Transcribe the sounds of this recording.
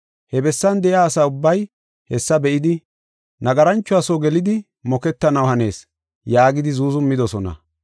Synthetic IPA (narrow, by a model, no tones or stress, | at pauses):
hɛbɛsːɐnd̪ɛjaːsaːʊbːɐj | hɛsːɐbɛʔɪd̪ɪ | nɐɡɐɾɐnt͡ʃːʊɐsoːɡɛlɪd̪ɪ | mɔkɛt̪ːɐnɐwhɐne̞ːs | jaːɡɪd̪ɪzuːzʊmːɪd̪ɔsɔnɐ̰